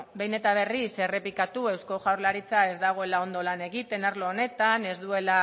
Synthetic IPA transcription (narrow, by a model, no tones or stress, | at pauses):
be̞jne̞t̪aβ̞e̞rise̞re̞pikat̪ue̞wsko̞ʝawɾlaɾit͡sae̞zd̪aɣ̞o̞elao̞nd̪o̞lane̞ɣit̪e̞naɾloːne̞t̪ane̞zd̪ue̞la